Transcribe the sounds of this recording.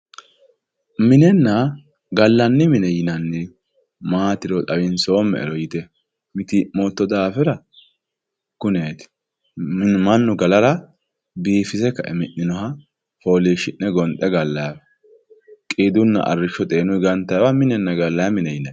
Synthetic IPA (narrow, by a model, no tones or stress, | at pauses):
mɪnɛnːɐ | ɡɐlːɐnːɪmɪnɛjɪnɐnːɪ | maːt̪ɪɾɔt̪ʼɐwɪnso̞ːmːɛ̰ɛ̰ɾɔjɪt̪ɛ | mɪt̪imoːt̪ːɔd̪aːfɛɾɐ | kʊneːt̪ɪ̥ | mɐnːʊɡɐlɐɾɐ | biːfɪsɛkːɐʔɛmɪnːɪnɔhɐ | fo̞ːliːʃɪnːɛɡɔnt̪ʼːɛɡɐlːɐj | kʼiːd̪ʊnːɐ̰ʔɐ̰rːɪʃːɔt̪ʼeːnʊjɡɐnt̪ːɐjwamɪnɛnːɐɡɐlːɐjmɪnɛjɪnɐ